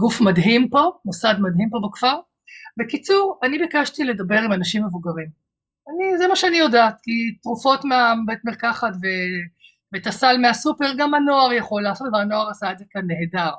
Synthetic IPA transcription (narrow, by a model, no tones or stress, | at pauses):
ɡufmadɦimpo̞mosadmadhimpo̞bakfaʁ | bekit͡suʁanibikaʃtile̞dabe̞ʁimanaʃimːe̞vuɡaʁim | anizemaʃeanijo̞daːtkitʁufo̞tmeabetmeʁkaχatve | vetasalmeasupeʁɡamano̞aʁjaχo̞lːaːso̞tveano̞aʁasaed͡zzekanːeedaʁ